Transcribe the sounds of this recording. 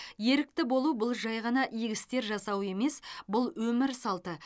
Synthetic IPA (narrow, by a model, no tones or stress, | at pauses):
je̞ɾɪk̚t̪ɪbo̞lˠubʊlˠʒɑjʁɑnɑʔiɡʲɪst̪e̞ɾʒɑsɑwe̞me̞sbʊlˠwɵmɪɾsɑlˠt̪ə